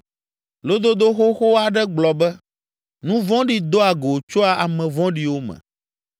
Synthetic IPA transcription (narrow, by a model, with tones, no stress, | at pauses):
lo˦d̪o˦d̪o˦xo˦xo˦a˨ɖɛ˦ɡ͡blɔ˨bɛ˦ | nũ˦vɔ̃˦ɖi˦d̪o˦a˨ɡo˨t͡ʃo˦a˨ʔa˨mɛ̃˨vɔ̃˦ɖi˨wo˦mɛ̰̃˨